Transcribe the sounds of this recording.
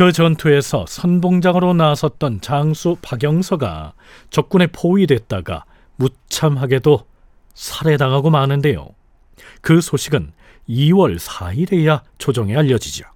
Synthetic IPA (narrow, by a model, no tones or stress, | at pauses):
kɯt͡ɕʌntʰue̞sʰʌ̰sʰʌnboŋd͡ʑaŋɯɾonasʰʌt̚t͈ʌnt͡ɕaŋsʰupaɡjʌŋsʰʌɡa̰ | t͡ɕʌk̚k͈une̞pʰoidwe̞t̚t͈aɡa̰ | mu | t͡ɕʰamɦaɡe̞do | sʰaɾe̞daŋɦaɡomanɯnde̞jo̰ | kɯsʰoɕʰiɡɯn | iwʌɭsʰaiɾe̞jat͡ɕod͡ʑʌŋe̞aʎːʌd͡ʑid͡ʑo